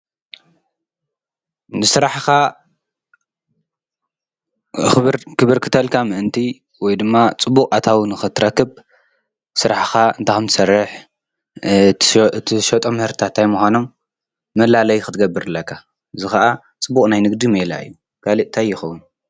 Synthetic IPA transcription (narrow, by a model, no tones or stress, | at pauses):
nɨsɨɾaħxa | xɨβɾkɨβɨɾkʰɨ̥t̪ʰɐlkʰamɨʔɨnt̪ʰi | wɔjd̪ɨmːat͡sʼɨbːukʼat̪ʰawnɨxɨt̪ʰɾɐkːɨb | sɨɾaħxaɨnt̪ʰaxɨmt̪ɨ̥sɐrːɨħ | ɨt̪ʰiʃɐt̪ʼomːɨhɨɾt̪t̪ʰat̪ʰːajmuxʷano̞mː | ɐlalɐjxɨt̪ʰɨɡɐbːɨɾɨlːɐkʰːa | ɨzɨxaʔa | t͡sʼɨbukʼnajnɨɡd̪imela̰ʔɨ̰jːu | kʰaliʔt̪ʰajːɪxɐwun